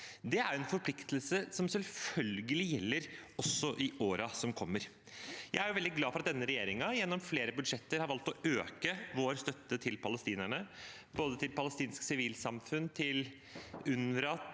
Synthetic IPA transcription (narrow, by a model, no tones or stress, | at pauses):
d̪ɛæɾɛnfɔɾpʰlɪkt̪əlsəsɔmsɛlfœlɡəlɪjɛlːəɾɔsːɔʔɪoːɾɑsɔmkʰɔmːəɾ | jæɪæɾjʊʋɛld̪ɪɡlɑːfɔɾɑt̪̚d̪ɛnːəɾɛjeːɾɪŋɑjɛnːɔmfleːɾəbʉd̪ʂɛt̪ːəɾhɑɾʋɑlt̪ɔøːkəʋoːɾst̪œt̪ːət̪ʰɪlpʰɑləst̪iːnæɳə | b̥oːd̪ət̪ɪlpɑləst̪iːnsksɪʋiːlsɑmfʉnːt̪ʰɪl | ʉnɾɑt̪